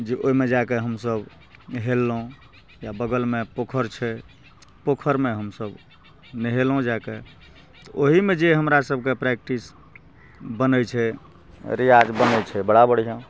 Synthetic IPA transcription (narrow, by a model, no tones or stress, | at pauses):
d͡ʒeʔoɦimed͡ʒakeɦəmsəb | ɦelːõ | jabəɡəlmepokʰəɾt͡ʃʰɛ | pokʰəɾmeɦəmsəb | nəɦelõd͡ʒake | t̪ɔʔoɦimed͡ʒeɦəmɾasəb̚ʱkepɾɛkʈis | bənəjt͡ʃʰɛ | ɾijad͡ʒbənət͡ʃʰɛbəɽabəɽ̤ijə̃